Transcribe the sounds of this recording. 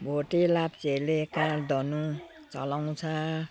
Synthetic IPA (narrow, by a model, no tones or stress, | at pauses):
bʱoʈelap̚t͡selekãd̪ɔnu | t͡sʌlaw̃t͡sʰʌ